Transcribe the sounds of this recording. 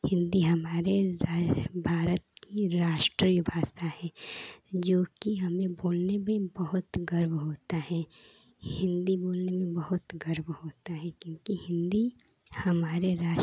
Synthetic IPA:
hɪ̃nd̪iɦɐmaːɾeɾabʱaːɾət̪̚kiɾaːʃʈɾibʱaːsahɛːd͡ʒoːkiɦɐmẽboːlnemẽbɐɦʊt̪ɡɐɾbɦoːt̪aɦɛː | hɪ̃nd̪iboːlnemẽbɐɦʊt̪ɡɐɾbhoːt̪aɦɛkjõːkihɪ̃nd̪i | hɐmaːɾeɾaː

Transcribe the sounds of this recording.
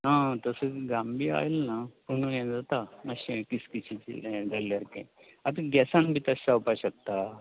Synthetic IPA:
ɦãt̪əsəɡambia̰jlnapənuɛ̃d͡zat̪aməɕekiskit͡ɕʰit͡ɕḭlɡʱaljaɾkã̰ | at̪aɡɛsãnbʱiːt̪əsawpaɕək̚t̪a

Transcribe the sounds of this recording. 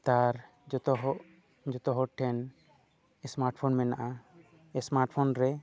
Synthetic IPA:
t̪aɾ | d͡ʒɔt̪ɔɦɔʔ | d͡ʒɔt̪ɔɦɔʈʰɛn | ɛsmaɾʈpʰɔnmɛnaʔa | ɛsmaɾʈpʰɔnɾɛ

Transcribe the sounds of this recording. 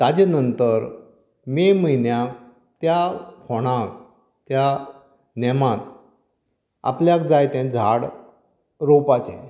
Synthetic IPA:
t̪ad͡ʑenənt̪əɾ | meməinjak | t̪jakɔɽ̃ãk | t̪ja | nɛmãt̪̚ | a̰pljakd͡zajt̪ɛ̃d͡zʱaɽ | ɾopat͡ɕɛ̰̃

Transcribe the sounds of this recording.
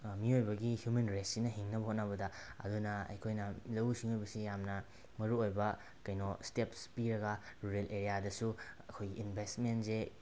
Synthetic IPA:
miojbɐɡihjumenɾetsinɐɦiŋnɐbɐhot̚nɐbɐdɐɐ̰dunɐɐ̰jkʰojnɐlɐwusiŋojbɐsijamnɐ | mɐɾuojbɐ | kɐjnostepspiɾɐɡɐɾuɾelʔeɾijadɐsuɐkʰojɡiːnbʱestmentse

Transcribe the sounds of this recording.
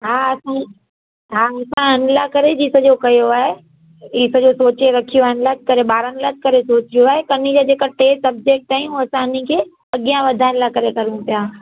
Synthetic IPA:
ɦaːɐsã | ɦaːɪsãɐnlakɐɾed͡ʑiːsɐʄokɐjoaːɦe | ɪsəd͡ʑoːsoːt͡ɕeɾɐkʰijoaːɦenlat̪kɐɾeɓaːɾənlat̚kɐɾesoːt͡ɕijoaːɦekɐnid͡ʑad͡ʑeːkaʈeːsʈɐb̚d͡ʑek̚ʈaːɦĩuɐsãɪnikʰeː | ɐɠijãʋɐd̪ʱaɪnlakɐɾekɐɾũtijãː

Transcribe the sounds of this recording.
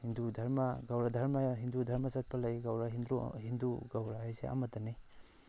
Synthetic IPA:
hindudʱɐɾmaɡawɾadʱɐɾmaɦindudʱɐɾmasɐt̚pʰalajɡawɾaɦind̪ɾṵɦinduɡawɾaɦajsḛʔa̰mɐtani

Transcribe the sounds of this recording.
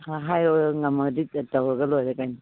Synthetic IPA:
haɦajojŋɐmɐdit̚tawɾɐɡɐlojɾɐkajni

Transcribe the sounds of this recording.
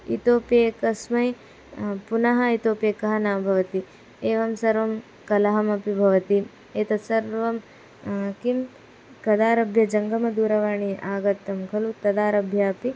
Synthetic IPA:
ḭt̪oːpjeːkɐsmɐj | punɐɦɐit̪oːpjeːkɐɦɐnaːɐbʱɐʋɐt̪i | eːʋɐmsɐɾʋɐm | kɐlɐɦɐmɐpibʱɐʋɐt̪i | eːt̪ɐsɐɾʋɐm | kim | kɐd̪aːɾɐbʱjɐd͡ʒɐŋɡɐmɐd̪uːɾɐʋaːɳiʔaːɡɐt̪ːɐmkʰɐlut̪ɐd̪aːɾɐbʱjɐɐpi

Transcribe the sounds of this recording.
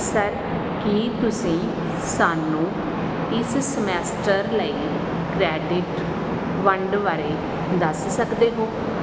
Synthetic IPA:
səɾ | kiːt̪ʊsĩː | saːnũː | ɪssəmɛːsʈəɾləiː | kɾɛːɖɪʈ | ʋəɳɖʋaːɾeː | d̪əssəkd̪eːɦoː

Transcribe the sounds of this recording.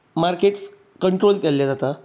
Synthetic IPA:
maɾkeʈs | kəɳʈɾolkɛlːjad͡zat̪a

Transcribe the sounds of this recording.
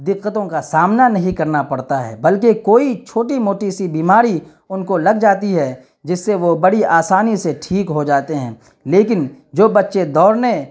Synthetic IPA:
d̪ɪqːət̪õkasaːmnanɐɦĩkɐɾnapɐɽt̪aɦɛ̰ːbɐlkekoːit͡ʃʰoːʈimoːʈisibiːmaːɾi | ʊnkolɐɡd͡ʒaːt̪iɦɛ | d͡ʒɪsːeʋobɐɽiʔaːsaːniseʈʰiːkɦod͡ʒaːt̪eɦɛ̃ː | leːk̬ɪn | d͡ʒoːbɐtːʃed̪ɔːɾne

